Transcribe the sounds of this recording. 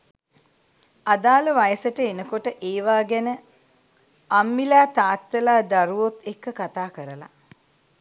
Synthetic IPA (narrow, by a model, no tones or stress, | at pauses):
ad̪aːləʋajəsəʈəenəkoʈəʔeːʋaːɡɛnə | amːilaːt̪aːt̪ːəlaːd̪aɾuʋot̪ekːəkat̪aːkəɾəla̰